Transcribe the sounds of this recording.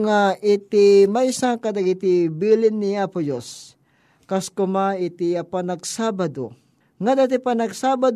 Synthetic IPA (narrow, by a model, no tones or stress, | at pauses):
ŋaʔɪt̪ɪmaisaŋkad̪aɡɪt̪ɪbilɪnːɪapʊjos | kaskʊmaɪt̪ɪapanaɡsabad̪o̰ | ŋad̪at̪ɪpanaɡsaːbad̪